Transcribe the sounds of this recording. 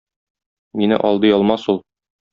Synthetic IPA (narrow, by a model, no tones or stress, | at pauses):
minɘ̰ʔɒlˠd̪ɤjɒlˠmɑsulˠ